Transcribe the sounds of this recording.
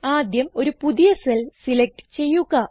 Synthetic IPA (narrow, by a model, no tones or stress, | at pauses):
aːd̪jɐmo̞ɾupuðijɐselsilek̚ʈɨ̥t͡ɕe̞jːuɣɐ